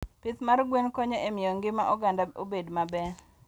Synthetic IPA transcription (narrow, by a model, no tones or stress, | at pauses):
pɪt̪marɡwenkoɲɔʔemɪjoŋɡɪmaʔɔɡandaobedmabɛ